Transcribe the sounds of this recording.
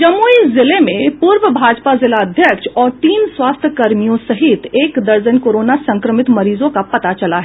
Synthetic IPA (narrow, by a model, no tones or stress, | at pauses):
d͡ʒɐmːuːizɪlemẽpuːɾʋəbʱaːd͡ʒpazɪlaɐd̪ʱjəkʃɔːɾʈ̪iːnswaːst̪ʰjəkɐɾmijõsɐɦɪt̪eːkd̪ɐɾd͡ʒənkoːɾoːnasɐ̃ŋkɾəmɪt̪mɐɾiːzõkapɐt̪at͡ʃɐlaɦɛ